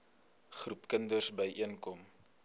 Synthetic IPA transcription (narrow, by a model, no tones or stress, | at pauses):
χrupkəndərsbəjʔiənkɔm